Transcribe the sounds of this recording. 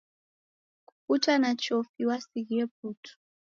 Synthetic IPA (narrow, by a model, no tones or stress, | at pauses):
ku̥kutʰanat͡ʃofiwasikiepuːtʰu̥